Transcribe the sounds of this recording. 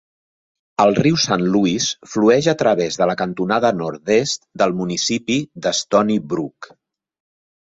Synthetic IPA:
əlˠriwsanluisfluɛʒət̪ɾəβezðələkənt̪unaðənɔɾt̪t̪est̪d̪əlˠmunisipid̪əst̪ɔnibɾuk

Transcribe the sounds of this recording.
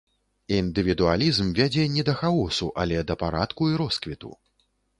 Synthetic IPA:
ind̪ɨvʲid̪ualʲizmvʲad͡zʲɛnʲɛd̪ɐxaɔsṵʔa̰lʲɛd̪ɐpaɾat̪kuiɾɔskvʲit̪ṵ

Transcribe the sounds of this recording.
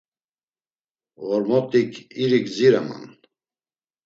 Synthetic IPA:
vɔɾmɔt̪ʼikʰiɾikziɾama̰n

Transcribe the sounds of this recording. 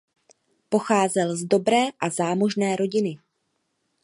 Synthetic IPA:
po̞xaːzɛlzdo̞bɾɛːʔazaːmo̞ʒnɛːɾo̞ɟɪnɪ

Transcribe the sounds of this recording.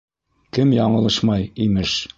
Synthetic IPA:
kɘmjɒɴɤ̆lˠɤʃmɑjimɘʃ

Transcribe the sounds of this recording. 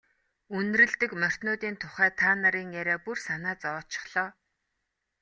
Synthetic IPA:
un̆rɘ̆ɮt̪ɘ̆kmœr̥ʲt̪nʊːt̪iːnt̪ʰʊχæːt̪ʰaːnaɾiːŋjæɾʲæːpursanaːt͡sɔt͡ɕɪ̥̆χɮ̥ɔː

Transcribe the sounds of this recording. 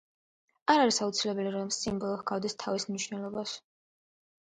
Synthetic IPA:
aɾaɾisaut̪sʰilɛbɛliɾɔmsimbɔlˠɔhɡavd̪ist̪ʰavismniʃwnɛlˠɔbaʃ

